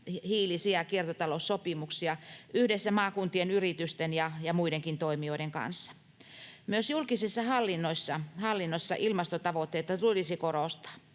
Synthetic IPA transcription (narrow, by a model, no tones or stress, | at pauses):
hiːlisiɑkiert̪ɑt̪ɑlossopimuksiɑyhdesːæmɑːkunt̪ienyrit̪yst̪enjɑjɑmuideŋkint̪oimioiɾeŋkɑ̰nsːɑ̥ | myøsjulkisisːɑhɑlːinːoisːɑhɑlːinːosːɑ̰ʔilmɑst̪ot̪ɑʋot̪ːeit̪ɑt̪ulisikoroˑst̪ɑ̥ː